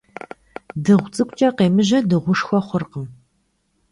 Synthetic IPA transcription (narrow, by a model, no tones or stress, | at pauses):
dɨʁʷt͡sʼɨkʷʼt͡ʃʼɐqeːmɨʑɐdɨʁʷʊʃxʷɔχʷʊrqəm